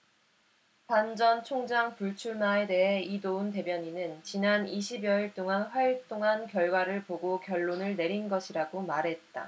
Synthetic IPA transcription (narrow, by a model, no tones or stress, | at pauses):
tand͡ʑʌnt͡ɕʰoŋd͡ʑaŋpuɭt͡ɕʰuɭmae̞de̞ɦe̞idounte̞bjʌɲinɯnt͡ɕinaniɕʰibjʌiɭt͈oŋanɸwaiɭt͈oŋankjʌɭɡwaɾɯɭpoɡokjʌɭːonɯɭne̞ɾinɡʌɕʰiɾaɡomaɾɦe̞t̚t͈a